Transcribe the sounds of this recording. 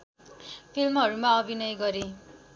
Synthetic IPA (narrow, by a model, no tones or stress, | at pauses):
pʰilmɦʌɾumaʌbʱinʌjɡʌɾi